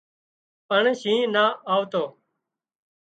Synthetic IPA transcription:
pəɳʃĩːnaːʔaːʋt̪oː

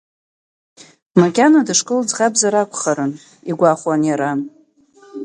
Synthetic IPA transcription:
makʲʼanadɨʂkʼɨld͡zʁabzaɾakʷʰʼχaɾɨn | iɡʷaχʷwanjaɾan

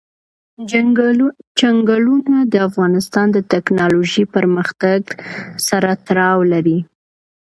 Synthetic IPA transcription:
t͡ʃaŋɡalunad̪əafɣɑnɪst̪ɑnd̪ət̪ɛknɑloʒipəɾməxt̪aɡsaɾat̪ɾɑwlaɾi

